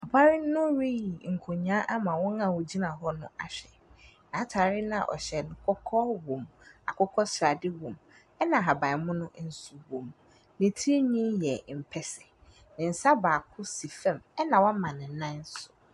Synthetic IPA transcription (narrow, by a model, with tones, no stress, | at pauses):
a˨bʰa˦ɾɪ˦nʊ̃˦ɾi˦i˨ŋ̩˨kʰo˨ɲã˦ʔa˦mã˨wɔ̃˦ŋã˦˨wʊ˨d͡ʑi˦nã˨ɦɔ˦nʊ̃˦a̰˨ɕᶣɛ˨ | nã˨˦tʰaː˨ɾɪ˦nã˦˨ʔɔ̰˨ɕɛ˨nʊ̃˨kʰɔ˦kʰɔ˦wõ˨ma˨kʰɔ˦kʰɔ˦sɾa˨dɪ˦wõ˨m | ɛ˦nã˨ɦa˨bã˨mʊ̃˦nʊ̃˦n̩˨su˨wõ˨m | nɪ̃˨tʰi˦i˦ɲĩ˦jɛ˨m̩˨pʰɛ˨sɪ̥˨ | nɪ̃˨n̩˨sa˦baː˨kʰʊ˦si˨fɛ̃˦˨mɛ˦nã˨wɔ̃˦mã˨nɪ̃˨˦nã˦n˦sʊ˨